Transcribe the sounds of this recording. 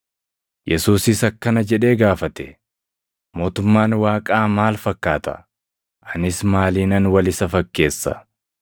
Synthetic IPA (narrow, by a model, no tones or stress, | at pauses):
jʔɛsuːsɪsɐkːɐnɐd͡ʒɛᶑe̞ːɡaːfɐt̪ɛ̥ | mo̞ːt̪ʊmːaːnwaːkʼaːmaːlfɐkːaːt̪ɐ̰ | ʔɐnɪsmaːliːnɐnwɐlɪsɐfɐkːe̞ːsːɐ̰